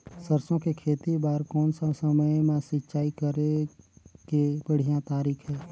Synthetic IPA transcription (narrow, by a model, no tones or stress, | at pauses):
səɾsõkekʰeːt̪ibaːɾkɔːnsasəməjmãsɪtːʃaːikəɾe | kebəɽ̤ijãt̪aːɾiːkʰɦɛː